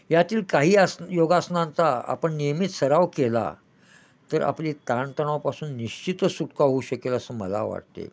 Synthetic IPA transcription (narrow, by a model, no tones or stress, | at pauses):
jat̪iːlkaɦiːəsjoɡasnãnt͡saa̰pəɳnijəmit̪səɾaʋkela̰ | t̪əɾa̰pliːt̪aɳt̪əɳ̃awpasuːnːiɕt͡ɕit̪sut̪kaɦouɕəkeləsəmə̰la̰ʋa̰ɽt̪ḛ